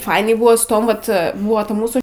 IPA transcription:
ˈfɐɪnʲɛɪ ˈbʊʋoː sʊ ˈtoːm ˈʋɐt ˈbʊɐ tɐ ˈmuːsuː

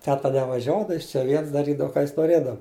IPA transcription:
ˈtʲæːtɐ nʲɛʋɐˈʒʲuɔdɐ ˈjɪs t͡ʃʲɛ ˈʋʲiɛns dɐˈrʲiːdɐʋɐ ˈkɑː ˈjɪs noːˈrʲeːdɐʋɐ

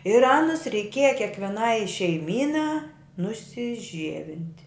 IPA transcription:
ɪr ˈɑːnʊs rʲɛɪˈkʲiɛjɛ kʲeːkʋʲɛˈnɐɪ ʃʲɛɪˈmʲiːnɑː nʊsʲɪˈʒʲiɛʋʲɪnʲtʲ

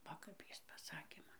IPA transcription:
ˈʋɐ kɐp ˈjɪs pɐˈsɑːkʲeː ˈmɐn

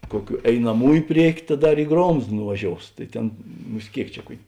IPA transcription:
ˈkuɔˌkʲuː ɛɪnɐˈmuːjʊ ˈpʲrʲiɛkʲʊ tɐ ˈdɐr ɪ ˈɡroːmst nʊʋɐˈʒʲoːʊs tɐɪ ˈtʲeːn ˈmʊsʲtʲ ˈkʲeːɪk t͡ʃʲɛ ˈkuɔkʲ

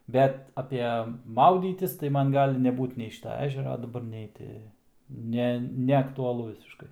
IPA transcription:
ˈbʲɛt ɐpʲɛ ˈmɐʊdʲiːtʲɪs tɐɪ ˈmɐn ˈɡɑːlʲɪ ˈnʲæːbuːt nʲɛɪ ˈʃʲiːtɐ ˈæːʒʲɛrɐ dɐˈbɐr ˈnʲɛɪ tʲɪ ˈnʲɛ nʲɛɐktʊɐˈlˠʊ ʋʲɪsʲɪʃˈkɐɪ

